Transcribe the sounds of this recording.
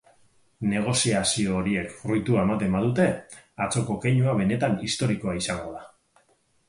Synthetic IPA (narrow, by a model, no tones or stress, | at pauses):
ne̞ɣ̞o̞siasio̞ːɾie̞krujt̪uae̞mat̪e̞mbaðut̪e̞at͡so̞ko̞ke̞ɲuaβ̞e̞ne̞t̪anist̪o̞ɾiko̞aisaŋɡo̞ða